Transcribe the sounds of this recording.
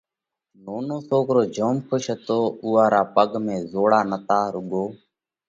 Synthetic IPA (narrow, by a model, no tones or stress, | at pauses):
noːnoːsoːkɾoːd͡ʒʱoːmkʰʊʃət̪oːuːaːɾaːpəɡmẽːzoːɽaːnət̪aːɾʊɠoː